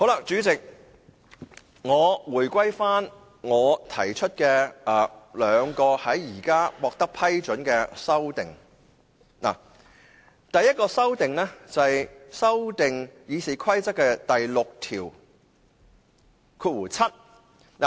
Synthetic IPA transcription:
ho˨˥wla˨˩k̚t͡ʃyː˨˥t͡sɪ˨k̚ | ŋɔː˨˧wuː˨˩jkʷɐ˥jfaː˥n | ŋɔː˨˧t̪ʰɐ̰˨˩jt͡ʃʰɵ˥t̚kɛː˧ɛː˨˩lœː˨˧ŋkɔː˧hɐ˨˥jːiː˨˩kaː˥wɔː˧k̚t̪ɐ˥k̚pʰɐ˥jt͡ʃɵ˨˥nkɛː˧sɐ˥wt̪ɪ˨ŋ | na̰ː˨˩ | t̪ɐ˨˧jɐ˥t̚kɔː˧sɐ˥wt̪ɪ˨ŋlɛː˥t͡sɐ˨ɐ˨jsɐ˥wt̪ɪ˨ŋjiː˨˧siː˨kʰɐ˥jt͡sɐ˥t̚kːɛː˧t̪ɐ˨jlʊ˨k̚t̪ʰiː˨˩w | kʰuː˧t̚wuː˨˩t͡sʰɐ˥t̚ | na˨˩

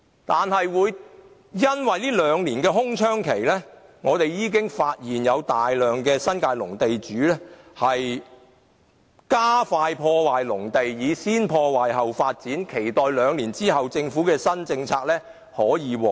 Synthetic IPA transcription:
t̪aː˨nɦɐ˨jwuː˨˧j | jɐ˥nwɐ˨jliː˥lœː˨˧ŋliː˨˩nkɛː˧ɦʊ˥ŋt͡ʃʰœː˥ŋkʰe˨˩jlɛː˥ŋɔː˨˧t̪e˨jːiː˨˧k̬ɪ˥ŋfaː˧t̚jiː˨˩njɐ˨˧wt̪aː˨jlœː˨ŋkɛː˧sɐ˥nkaː˧jlʊ˨˩ŋt̪e˨jt͡ʃyː˨˥lɛː˥hɐ˨j | kaː˥faː˧jpʰɔː˧waː˨jlʊ˨˩ŋt̪e˨jːiː˨˧siː˥npʰɔː˧waː˨˩jɦɐ˨wfaː˧t̚t͡siː˨˥nkʰe˨˩jt̪ɔː˨jlœː˨˧ŋliː˨˩nt͡siː˥hɐ˨wt͡sɪ˧ŋfuː˨˥kɛː˧sɐ˥nt͡sɪ˧ŋt͡sʰaː˧k̚lɛː˥ | hɔː˨˥jiː˨˧wɔː˨˩

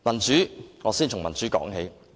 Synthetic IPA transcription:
mɐ˨˩nt͡syː˨˥ŋɔː˨˧siː˥nt͡sʰʊ˨˩ŋmɐ˨˩nt͡syː˨˥kɔ̰ː˨˥ŋɦe˨˥j

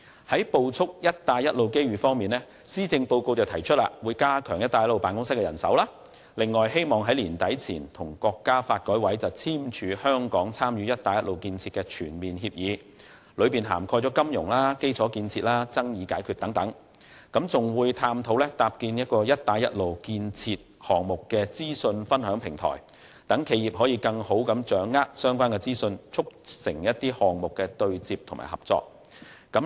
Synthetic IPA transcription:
hɐ˨˥jpo˧wt͡sʰʊ˥k̚jɐ˥t̚t̪aː˧jɐ˥t̚lo˨wke˥jɥyː˨fɔː˥ŋmiː˨nlɛː˥ | siː˥t͡sɪ˧ŋpo˧wko˧wt͡sɐ˨wt̪ʰɐ˨˩jt͡ʃʰɵ˥t̚la̰ː˨wuː˨˧jkaː˥kʰœ̰ː˨˩ŋjɐ˥t̪aː˨jɐ˥lo˨wpaː˨nkʊ˥ŋsɪ˥kːɛ˧jɐ˨˩nsɐ̰˨˥wlaː˥ | lɪ˨ŋːɔː˨jɦe˥jmɔː˨ŋɦɐ˨˥jliː˨˩nt̪ɐ˨˥jt͡sʰiː˨˩nt̪ʰʊ˨˩ŋkɔː˧kːaː˥faː˧t̚kɔː˨˥jwɐ˨˥jt͡sɐ˨wt͡sʰiː˥mt͡ʃʰyː˨˧hœː˥ŋkɔː˨˥ŋt͡sʰaː˥mjyː˨˥jɐ˥t̚t̪aː˨˧jɐ˥tlo˨wkiː˧nt͡sʰiː˧t̚kɛː˧t͡ʃʰyː˨˩nmiː˨˩nhiː˧p̚jiː˨˧ | lɵ˨˧ɥpiː˨nɦa̰ː˨˩mkʰɔː˧jt͡sɔ˨˥kɐ˥mjʊ̰˨˩ŋlaː˥ke˥jt͡sʰɔː˨˥kiː˧nt͡sʰiː˧t̚laː˥t͡sɐ˥ŋjiː˨˧kaː˨˥jkʰyː˨t̪̚ɐ˨˥ŋt̪ɐ˨˥ŋ | kɐ˨˥mt͡sʊ˨ŋwuː˨˧jt̪ʰaː˧mt̪ʰo˨˥wlɛ˥t̪aː˧p̚kiː˧njɐ˥t̚kɔː˧jɐ˥t̚t̪ːaː˨˧jɐ˥t̚lo˨wkiː˧nt͡sʰiː˧t̚hɔː˨ŋmʊ˨kːɛː˧t͡siː˥sɵ˧nfɐ˥nhœː˨˥ŋpʰɪ˨˩ŋt̪ʰɔ̰ː˨˩j | t̪ɐ˨˥ŋkʰe˨˧jiː˨p̚hɔ˨˥jiː˨˧kɐ˧ŋho˨˥wkɐ˨˧˥mt͡ʃœː˨˥ŋːaː˥k̚sœː˥ŋkʷaː˥nkɛ˧t͡siː˥sɵ˧nt͡sʰʊ˥k̚sɪ˨˩ŋjɐ˥t̚t̪iː˥hɔː˨ŋmʊ˨kːɛː˧t̪ɵ˧ɥt͡siː˧p̚t̪ʰʊ˨˩ma̰ː˨˩hɐ̰˨p̚t͡sɔ̰ː˧k̚ | kɐ˨˥m

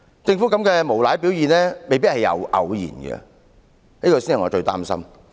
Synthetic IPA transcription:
t͡sɪ˧ŋfu˨˥kɐ˨˥mkɛː˧mo˨˩wlaː˨˥jpi˨˥wjiː˨nlɛː˥me˨jp̬i˥t̚hɐ˨jɐ̰˨˧wʔɐ̰˨˧wjḭː˨˩nɡɛ̰˧ | niː˥kɔː˧siː˥nhɐ˨jŋɔː˨˧t͡ʃɵ˧ɥt̪a̰ː˥msɐ̰˥m

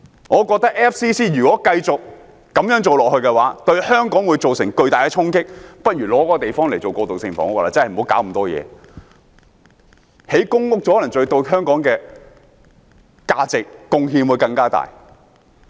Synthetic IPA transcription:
ŋɔː˨˧kɔː˧k̚t̪ɐ˥k̚ʔɛː˥fsiː˥siː˥ɥyː˨kɔː˨˥kɐ˧jt͡sʊ˨k̚ː | ɐ˨˥mjœː˨˥ŋt͡so˨wlɔː˨k̚hɵ˧ɥkɛ˧waː˨˦˥t̪ɵ˧ɥhœː˥ŋkɔː˨˥ŋwuː˨˧jt͡so˨wsɪ˨˩ŋkɵ˧ɥt̪aː˨jkɛː˧t͡sʰʊ˥ŋkɪ˥k̚pɐ˥t̚jyː˨˩lɔː˨˥kɔː˧˥˧t̪e˨jfɔː˥ŋle˨˩jt͡so˨wkɔː˧t̪o˨wsɪ˨ŋfɔ̰˨˥ŋ˥klaː˧˩t͡sɐ˥hm̩˨o˨˧˥wkaː˨˥wm̩˨˩t̪ɔː˥jɛ̰ː˨˧ | he˨˥jkʊ˥ŋʊ˥k̚t͡sɔ˨˥ɔ˥lɐ˨˩ŋt͡ʃɵ˧ɥt̪o˧wɦœː˥ŋkɔː˨˥ŋkɛː˧ | kaː˧t͡sɪ˨k̚ːʊ˧ŋɦiː˧nwuː˨˧jkɐ˧ŋkaː˥t̪a̰ː˨j

